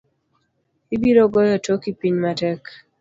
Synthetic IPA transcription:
ibiɾoɡɔjɔtokipiɲmatɛk

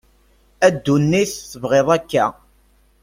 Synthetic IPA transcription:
æd̪ːunːiθθəvʁeðˤækːæ̰

